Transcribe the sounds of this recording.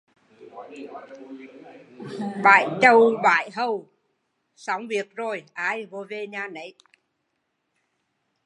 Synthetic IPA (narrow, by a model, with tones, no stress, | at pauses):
ɓa̰ː˧˨jt͡ɕə˧˩wɓa̰ː˧˨jɦə˧w | sa˨˦wŋ͡mvi˨˩ək̚zo˨˩jʔaː˧jvo˧˦ve˧ɲaː˧nə˨˦j